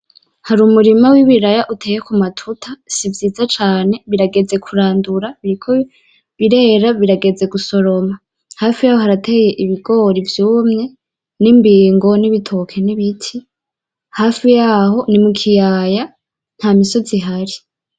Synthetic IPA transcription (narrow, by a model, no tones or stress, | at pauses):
haɾuːmuɾimawiβiɾajaʔutʰe̞ːjekumatʰutʰasivjiːzat͡ʃaːne̞βiɾaɡe̞d͡ze̞kʰuɾaːnduɾaβiɾikʰo | βiɾe̞ːɾaβiɾaɡe̞d͡ze̞ɡuso̞ɾo̞ma | haːfijaːho̞ɦaɾatʰe̞ːje̞ʔiβiɡo̞ːɾivjuːmŋe̞ | nimbiːŋɡo̞niβitʰo̞kʰe̞niβitʰi | haːfijaːho̞nimukʰijaːja | n̥haːmiso̞ziɦaɾi